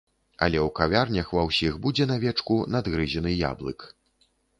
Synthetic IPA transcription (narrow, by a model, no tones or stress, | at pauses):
a̰lʲɛwkavʲarnʲɐxvɐwsʲiɣbud͡zʲɛnavʲɛt͡ʂkunad̪ɣɾɨzʲɛnɨja̰blˠɨ̰k